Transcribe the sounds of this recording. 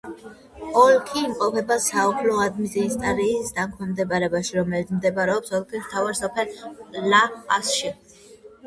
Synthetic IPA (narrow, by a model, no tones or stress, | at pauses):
ɔlkʰiːmqʼɔpʰɛbasaɔpʰlɔad̪miziːst̪ʼaɾiːsd̪aŋkʰwmɛmd̪ɛbaɾɛbaʃiɾɔmɛlit̪smd̪ɛbaɾɛɔpsɔlˠkʰismt̪ʰavaɾsɔpʰɛllaqʼasʃi